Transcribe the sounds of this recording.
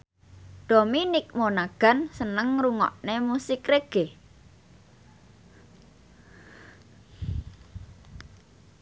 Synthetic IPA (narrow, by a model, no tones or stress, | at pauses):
ɖ̪̥o̤minik̚monaɡ̥a̤nsənəŋruŋɔ̰ʔnemusɪkreɡ̥e